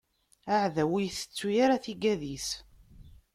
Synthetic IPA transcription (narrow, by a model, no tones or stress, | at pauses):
aʕðæwijθə̥t͡sːujaɾaθiɡæðis